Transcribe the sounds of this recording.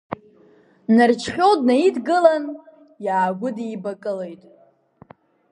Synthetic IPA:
nart͡ʃʰχʲo̞wdnaidɡɨlan | jaːɡʷʊdiːbakʼɨle̞jtʼ

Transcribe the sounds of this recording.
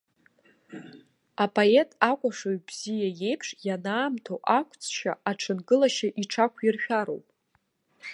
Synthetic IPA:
apʰʼoetʼakʷʼaʂoɥbz̥ijaje̞jpʰʂjanaːmtʰowʔakʷʰt͡sʰʼʃa̰aʈ͡ʂʰɨnɡɨlaʃaʔiʈ͡ʂʰakʷʰirʃᶣaɾo̰wpʼ

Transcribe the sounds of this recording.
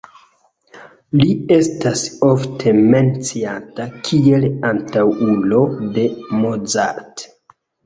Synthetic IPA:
lie̞stasoftʰe̞me̞nt͡siatakʰie̞lantawulo̞de̞mod͡za̰ɾt

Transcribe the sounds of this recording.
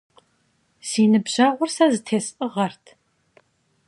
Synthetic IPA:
siːnɨbʑɐʁʷʊrsɐzɨtʰeːsʔɨʁɐrtʰ

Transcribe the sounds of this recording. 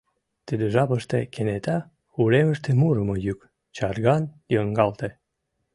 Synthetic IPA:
t̪əd̪eʒɑpəʃt̪ekʰenet̪ɑ | uleməʃt̪emuɾəmojyk | t͡ɕɑrɣɑn | jəŋɡɑlt̪e

